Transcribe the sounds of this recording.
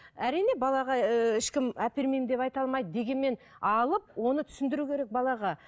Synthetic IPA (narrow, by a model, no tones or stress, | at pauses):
æɾijne̞bɑlˠɑʁɑɪʃkʲɪmæpeɾme̞jmd̪e̞pɑjt̪ɑlˠmɑjd̪əd̪e̞ɡʲe̞nme̞n | ɑlˠəp̚wo̞nət̪ʰʏ̥sɪnd̪ɪɾukʲʰeɾe̞k̚bɑlˠɑʁɑ